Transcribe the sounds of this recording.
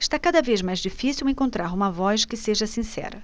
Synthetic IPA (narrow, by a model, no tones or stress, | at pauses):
ɪʃt̪akad̪ɐvezmajzd͡ʒifisiwẽŋkõnt̪ɾaɾũmɐvɔʃkɪseʒɐsĩsɛ̰ɾɐ